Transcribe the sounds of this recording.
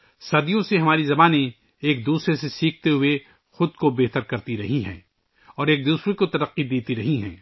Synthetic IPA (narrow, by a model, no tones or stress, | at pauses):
sɐd̪ijõseɦɐmaːɾizɐbaːne | eːk̚d̪uːsɾesesiːkʰt̪eɦʊe | xʊd̪kobeːt̪əɾkɐɾt̪iɾɐɦiɦɛ̰̃ː | ɔːɾeːk̚d̪uːsɾekot̪ɐɾɐqːid̪eːt̪iɾɐɦiɦɛ̰̃ː